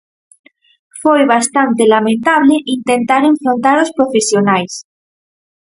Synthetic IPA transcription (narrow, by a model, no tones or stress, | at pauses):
fojβast̪ant̪elamẽnt̪aβleʔint̪ent̪aɾẽ̞ɱfɾõnt̪aɾospɾofesjonajs